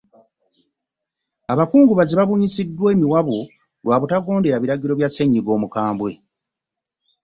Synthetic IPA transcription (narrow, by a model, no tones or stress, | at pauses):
aβakuːŋɡuβaziβaβuɲisidːwe̞ːmiwaβo | lwaːβutaɡo̞ːnde̞ɾaβiɾaɟiɾo̞βjaseɲːiɡo̞ːmukaːmbwe̞